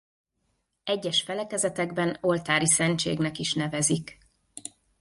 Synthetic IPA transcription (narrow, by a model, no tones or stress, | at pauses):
ɛɟːɛʃfɛlɛkɛzɛt̪ɛɡbɛno̞lt̪aːɾisɛnt͡ʃḛːɡnɛkiʃnɛvɛzik